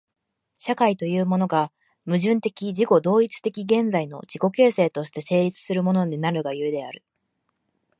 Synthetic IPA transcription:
ɕakait̪o̞jɯ̟ːmo̞no̞ɡa | mɯ̟ʑɨ̃nt̪e̞kʲid͡ʑiko̞d̪o̞ːit͡sɨ̥t̪e̞kʲiɡẽ̞nd͡zaino̞̰d͡ʑiko̞ke̞ːse̞ːt̪o̞ɕi̥t̪e̞se̞ːɾʲit͡sɨ̥sɨɾɯ̟mo̞no̞ɲ̟inaɾɯ̟ɡajɯ̟e̞d̪e̞aɾɯ̟

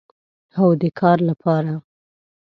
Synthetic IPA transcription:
awd̪əkʰɑɾlapʰɑɾa

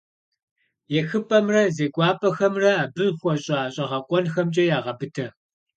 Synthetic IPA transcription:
jɛxɨpʰʼɐmrɐzeːɡʷɑːpʼɐxɐmrɐaːbɨrxʷɔɕʼɑːɕʼɐʁɐqʷʼɔnxɐmt͡ʃʼɐjaːʁɐbɨtʰɐ

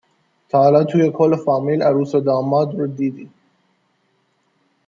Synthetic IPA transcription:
t̪ʰɑːlɑːt̪ʰujekʰolfɑːmilæɾuːsed̪ɑːmɑːd̪ɾud̪iːd̪i

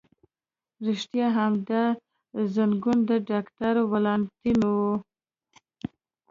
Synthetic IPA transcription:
ɾɪʃt̪jɑɦamd̪a | zanɡund̪əɖɑkʈaɾowalɑnt̪inwu

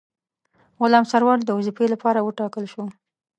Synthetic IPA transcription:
ɣʊlɑmsaɾwɑɾd̪əuzipelapɑɾawəʈɑkəlʃu

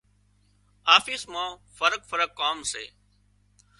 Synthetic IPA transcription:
aːfiːsmãːfəɾəkfəɾəkːaːmsḛː

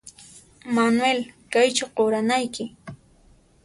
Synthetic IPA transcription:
manwelkajt͡ʃaqoɾanajkɪ

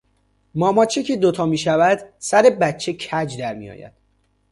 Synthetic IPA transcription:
mɒːmɒːt͡ʃʰecʰed̪ot̪ʰɒːmiːʃævæd̪̥sæɾe̞bæt̪t͡ʃʰːecʰæd͡ʒd̪æɾmḭjɒ̰ːjæ̰d̪̥

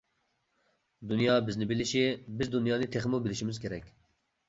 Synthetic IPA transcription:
d̪unjɑːbiznibiliʃebizd̪unjɑːnit̪ʰexmobiliʃimuzɡɛɾɛkʲ

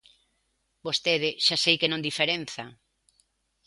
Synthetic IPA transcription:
bost̪eðɪʃasejkenõŋd̪ifeɾenθa

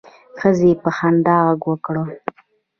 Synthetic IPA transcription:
xəzepəxand̪ɑɣaɡwəkɽə

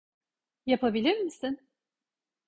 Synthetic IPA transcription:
japʰabilʲiɾmisɪn

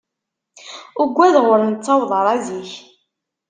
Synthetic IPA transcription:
ʊɡʷːæðʁʊɾnt͡sːɑwðˤəɾˤɑðiç

